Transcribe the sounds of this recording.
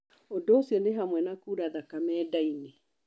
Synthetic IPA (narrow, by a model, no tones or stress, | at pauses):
odoosjɔneɦamwɛnakuːɾaðakamɛːdaine